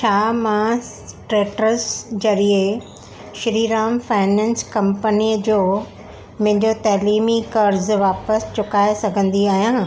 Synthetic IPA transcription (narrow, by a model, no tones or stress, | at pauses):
t͡ɕʰaːmã | ʈɾeːʈəɾzd͡ʑɐɾie | ʃɾiːɾaːmfaːɪnɛ̃ːnskɐ̃mpəniːəd͡ʑoː | m̃ɦɪ̃ɲd͡ʑot̪ɐːliːmikɐɾzʋaːpəst͡ɕʊkaːesɐɡʱə̃nd̪iaːɦijãː